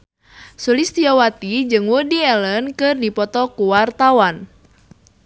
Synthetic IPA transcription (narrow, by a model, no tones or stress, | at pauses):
sulist̪iɔwat̪id͡ʒɨŋwudiɛlənkɨrdipɔt̪ɔkuwart̪awan